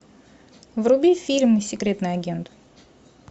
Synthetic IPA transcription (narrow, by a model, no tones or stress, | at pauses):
vrʊbʲifʲilʲmnɨsʲɪkɾʲe̞t̪nɨjɐɡʲent̪